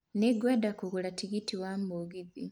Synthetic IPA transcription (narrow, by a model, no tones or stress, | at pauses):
niɡwedakuɣulatiɣitiwamuɣiði